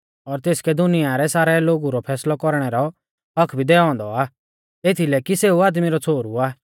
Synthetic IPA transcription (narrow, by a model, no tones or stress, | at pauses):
ɔɾt̪eːskɛd̪ʊnijaɾɛsaːɾɛloːɡuɾɔpʰɛːslɔkɔɾɽ̃ɛɾɔ | ɦɐkʰbʱid̪ɛːɔ̃ːnd̪ɔaː | eːt̪ʰilɛkiseːuaːd̪miɾɔt͡sʰoːɾuaː